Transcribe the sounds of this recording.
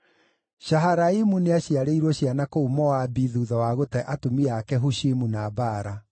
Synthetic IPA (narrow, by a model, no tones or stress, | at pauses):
ɕaɦaɾaimuneaɕiaɾeiɾwɔɕjanakoumɔwabiðuðɔwaɣotɛʔatumiakɛɦuɕimunabaːɾa